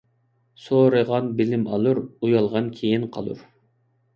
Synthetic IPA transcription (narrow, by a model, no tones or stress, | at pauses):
soːɾɨʁɑnbɪlɪmɑ̰lˠuɾujɑlˠʁɑnkʲʰejinqʰɑ̰lˠṵɾ